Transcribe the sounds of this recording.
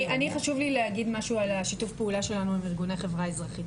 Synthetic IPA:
ʔaniχaʃuvlileaɡid̪maʃualaʃitufpeulaʃe̞lanuimiʁɡunaχe̞vʁaezʁaχit

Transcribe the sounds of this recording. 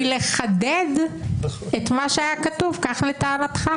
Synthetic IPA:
leχaded̪ | et̪maʃeajakat̪uvkaχlet̪aːɾat̪χa

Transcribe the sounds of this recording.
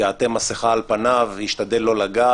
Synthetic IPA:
at̪emaseχaːlpanavhiʃt̪ad̪elːo̞laɡa

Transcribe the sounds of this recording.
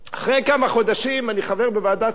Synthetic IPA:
aχʁejkamaχo̞d̪aʃimaniχave̞ʁbevaːd̪a

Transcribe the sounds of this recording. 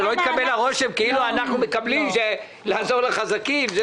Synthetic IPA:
lo̞it̪̚kabe̞laʁo̞ʃe̞mkeiluanaχnumekablimʃe | laːzo̞ʁleχazakimz

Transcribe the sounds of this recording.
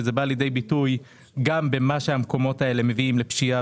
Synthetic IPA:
ezebaːljed̪ejbituj | ɡambe̞maʃehamko̞mo̞tae̞le̞me̞viimlepʃia

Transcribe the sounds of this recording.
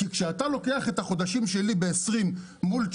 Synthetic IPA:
kikʃeatalo̞ke̞aχe̞t̪aχo̞d̪aʃimʃe̞libeːsʁimː | ult͡ʃ

